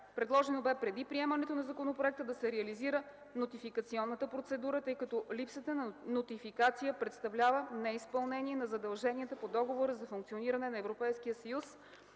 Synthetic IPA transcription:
pɾɛd̪lˠɔʒɛnobɛpɾɛd̪ipɾiɛmənɛt̪onɐzɐkonopɾoɛk̚t̪əd̪ɐsɛɾɛəliziɾə | not̪ifikət̪siɔnːət̪əpɾot̪sɛd̪uɾət̪ɤjkɐt̪ɔlipsət̪ənnot̪ifikat̪sijəpɾɛt̪st̪ɐvlʲavənɛispɐlˠnɛniɛnɐzɐd̪ɐlˠʒɛniət̪əpod̪ɔɡovoɾəzɐfuŋkt̪sioniɾɐnɛnɐɛvɾopɛjskijəsəjus

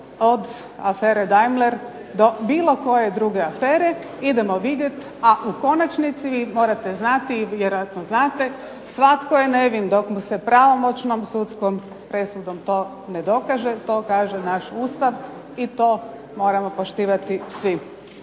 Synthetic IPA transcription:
od̪ | afeːɾed̪ajmleɾ | d̪o̞biːlˠo̞ko̞jed̪ɾuɡe̞afeːɾe | id̪emoʋid̪jet̪ | aʔuko̞nat͡ʃnit̪siʋiːmoːɾat̪eznat̪iːjeɾojat̪noznaːt̪e | sʋat̪kojene̞ʋind̪o̞kmusɛpɾaʋo̞mo̞t͡ʃnomsut̪skom | pɾe̞sud̪omt̪o̞ː | ned̪o̞kaʒet̪o̞ːkaːʒenaʃuːst̪aʋ | it̪oː | mo̞ːɾamo̞poʃt̪iːʋat̪isʋi

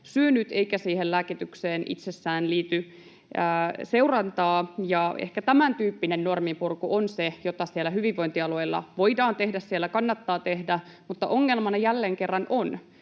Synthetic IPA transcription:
syønyt̪eikæsiːhellæːkit̪ykseːnḭt̪sesːæːnliːt̪y | æːse̞wrɑnt̪ɑːjɑḛhkæt̪æmænt̪yːpːinenːo̞rmimpurkuʔonsejot̪ɑsielːæhyʋiʋːo̞jnt̪iɑlueilːɑ̰ʋo̞idɑːnt̪e̞hdæssielːækɑnːɑt̪ːɑːt̪ehdæ | mut̪ːɑ̰ʔoŋːelmɑnɑjælːeːŋke̞rːɑnʔon

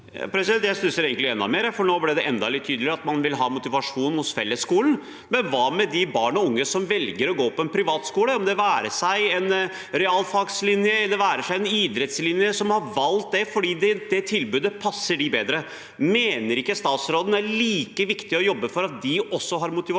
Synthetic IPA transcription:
jɑ̰pʰɾɛsɪɛlt̪jæɪst̪ʉsəɾeːɡŋk̪lɪɛnːɑ̰meːɾfɔɳoːblɪd̪ɛʔɛnd̪ɑlɪt̪ʰyːd̪lɪɾɑt̪mɑnʋɪlɦɑːmʊt̪ɪʋɑʂuːnhʊsfɛlːəskuːlən̩ | mɛnʋɑːmɛd̪ɪbɑːɳɔʊŋːəsɔmʋɛlɡəɾɔɡoːpʰɔɛnpʰɾɪʋɑːt̪skuːləɔmd̪ɛʋæːɾəʂæɪɛn | ɾɛɑlfɑɡslɪnjəɛlːəɾʋæːɾəʂæɪɛnɪd̪ɾɛt̪slɪnjəsɔmhɑɾʋɑlt̪̚d̪ɛfɔɖiːd̪ɛd̪ɛt̪ʰɪlbʉːd̪əpʰɑsːəɖɪbeːd̪ɾə | meːnəɾɪkːəst̪ɑːt̪sɾoːd̪n̩æɭiːkəʋɪkt̪ɪɔjɔbːəfɔɾɑt̪̚d̪ɪʔɔsːɔɦɑɾmʊt̪ɪʋɑ

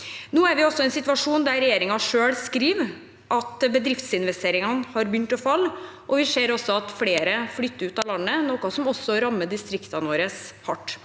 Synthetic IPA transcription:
nuːæɾʋɪɔsːɔɛnsɪt̪ʋɑʂuːnd̪æɾɛjeːɾɪŋɑʂøːɽskɾiːʋ | ʔɑt̪bəd̪ɾɪft̪sɪnʋɛst̪ʰeːɾɪŋɑnhɑɾbjʏnt̪ɔfɑlːʔɔʋɪʂeːɾɔsːɔɑt̪fleːɾəfɽʏt̪ːəɾʉːt̪ɑːlɑnːənoːkʊsɔmɔsːɔɾɑmːəd̪ɪst̪ɾɪkt̪ɑnəʋoːɾəshɑʈː

